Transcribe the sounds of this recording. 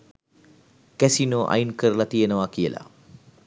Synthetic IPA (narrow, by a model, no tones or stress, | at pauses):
kæsinoːʔa̰jinkəɾəlat̪ijənəʋakijəlʔa̰